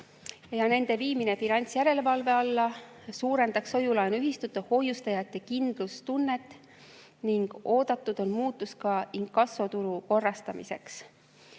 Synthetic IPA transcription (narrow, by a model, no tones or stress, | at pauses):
jɑne̞nd̪e̞viːmine̞finɑnʲt̪sjæɾe̞levɑlve̞ɑlːɑ | suːɾe̞nd̪̥ɑkso̞julɑjnuyɦist̪ut̪ːɑho̞just̪ɑjɑt̪ːˑe̞kind̪̥lust̪unːe̞t̪ːˑ | niŋɡ̥o̞ːd̪̥ɑt̪ˑːud̪̥o̞nmuːt̪ːˑuskɑiŋkːɑsot̪uɾuko̞rːɑst̪ɑmḭse̞̰ks